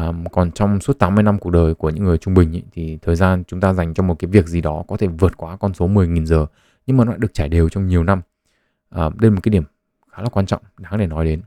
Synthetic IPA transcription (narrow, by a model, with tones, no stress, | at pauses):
kɔ˨˩nt͡ɕɔ˧wŋ͡msu˦˥t̪̚aː˨˦mːɨ˧əjna˧mku˨ək̚ɗəː˨˩jku˧˩əɲɨ̰˧˥ŋːɨ˨˩əjt͡ɕʊ˧ŋ͡mɓï˨˩ŋ̟ʔə̰˧˦jt̪ʰi˨˩t̪ʰəː˨˩jzaː˧nt͡ɕʊ˨˦ŋ͡mt̪aː˧za˨˩jŋ̟t͡ɕɔ˧ŋ͡mmo˨˩t̚kaː˨˦jvi˨˩ək̚zi˨˩ɗɔ˨˦kɔ˨˦t̪ʰe˧˩vɨ˨˩ət̚kwaː˨˦kɔ˧nso˨˦mɨ˨˩əjŋi˨˩nzəː˨˩ | ɲɨ̰˧˥ŋmaː˨˩nwa̰ː˧˨ɗət͡ɕaː˧˩jɗe˨˩əwt͡ɕɔ˧wŋ͡mɲi˨˩əwna˧m | ʔəː˨˩ɗə˧m̚˨˩kaː˨˦ɗi˧˩əm | xaː˨˦laː˨˩kwaː˧nt͡ɕɔ̰˧˨ŋ͡mɗaː˨˦ŋɗe˧˩nɔ˨˦jɗe˨˦n